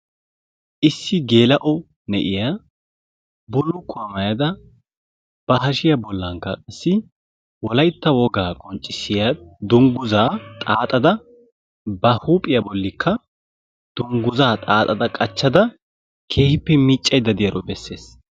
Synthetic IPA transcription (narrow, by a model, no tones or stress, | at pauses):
ʔɪsːɪɡe̞ːlɐʔɔ | nɛʔɪja | bʊlːʊkːʊɐmɐjɐd̪ɐ | b̥ɐɦɐʃɪjɐbɔlːɐŋkːɐkʼɐsːɪ | wɔlɐjt̪ːɐwɔɡaːkʼɔnt͡ʃʼːɪsːɪjad̪ʊŋɡʊzaːt̪ʼaːt̪ʼɐd̪ɐ | bɐhuːpʼɪjɐbɔlːɪkʰːɐ | d̪̥ʊŋɡʊzaːt̪ʼaːt̪ʼɐd̪ɐkʼɐt͡ʃːɐd̪ɐ | kʰeːhɪpːɛmiːt͡ʃʼːɐjd̪ːɐd̪ɪjɐɾɔbɛsːe̞ːs